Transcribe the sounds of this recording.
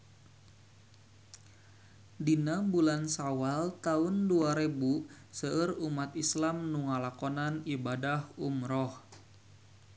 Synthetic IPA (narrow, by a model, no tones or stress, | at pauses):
dinambulansawalt̪aunduaɾebu | səərumat̪islamnuŋalakɔnanibadahumɾɔh